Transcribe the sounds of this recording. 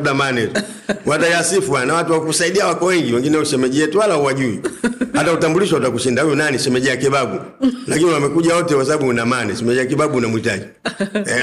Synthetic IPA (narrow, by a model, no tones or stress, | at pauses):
damanɛtu | watajasifuanawatuwakusaiɗiawakɔwɛŋɡiwɛŋɡinɛuʃɛmɛʄiɛtuwalauwaʄuihatautambuliʃwautakuʃindahujɔnaniʃɛmɛʄiakiɓaɡulakiniwamɛkuʄawɔtɛkasaɓaɓuunamanɛsɛmɛʄiak̬ibaɓunamuita̰ʄi